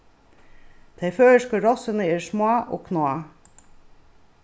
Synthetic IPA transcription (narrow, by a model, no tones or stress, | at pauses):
d̪̥ʰeɪføːəʃkɑɾɔsənəeːɾʂmoɑʔo̰ːkʰnoɑ